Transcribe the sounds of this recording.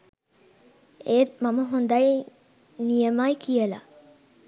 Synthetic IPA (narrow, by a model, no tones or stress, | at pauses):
eːmaməɦond̪ai | nijəmajkijəla̰